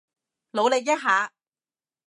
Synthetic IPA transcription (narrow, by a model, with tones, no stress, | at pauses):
lo˨˧wle˨k̚jɐ˥t̚ɦaː˨˥